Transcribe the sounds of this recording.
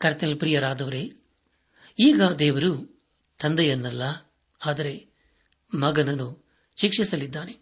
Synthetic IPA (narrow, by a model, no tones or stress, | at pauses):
kɐɾt̪ɐnɐlpɾiːjɐɾaːd̪ɐʋɐɾe | iːɡɐd̪ɛːʋɐɾu | t̪ɐnd̪ɐjɐnːɐlːɐ | aːd̪ɐɾe̞ | mɐɡɐnɐnu | ʃikʂisɐlid̪ːaːne